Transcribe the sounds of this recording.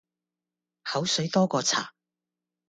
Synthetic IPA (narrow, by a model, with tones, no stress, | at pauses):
hɐ˨˥wsɵ˨˥ɥjt̪ɔː˥kɔː˧t͡sʰa̰ː˨˩